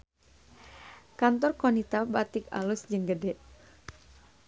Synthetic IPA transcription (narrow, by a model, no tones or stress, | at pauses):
kant̪ɔrkɔnit̪abat̪ika̰lusd͡ʒɨŋɡədɛʔ